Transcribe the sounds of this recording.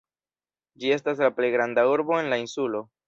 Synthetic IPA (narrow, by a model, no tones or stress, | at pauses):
d͡ʒie̞s̬tas̬laple̞jɡɾandauɾbo̞e̞nlainsulo̞